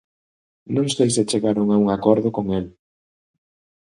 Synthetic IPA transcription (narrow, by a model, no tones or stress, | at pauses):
nõŋsejset͡ʃeɣaɾʊŋauŋakɔɾðʊkoŋel